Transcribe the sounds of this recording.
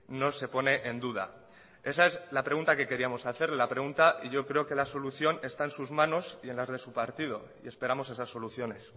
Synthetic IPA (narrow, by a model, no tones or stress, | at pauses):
no̞se̞po̞ne̞ʔend̪uð̞a̰ | e̞sae̞zlapɾe̞ɣũnt̪ake̞ke̞ɾiamo̞saθe̞ɾle̞lapɾe̞ɣunt̪aʔiʝo̞kɾe̞oke̞laso̞luθjo̞ne̞st̪aensuzmãno̞sie̞nlazðe̞supaɾt̪ið̞o̞ | ḭe̞spe̞ɾamo̞s̬e̞sasːo̞luθjo̞ne̞s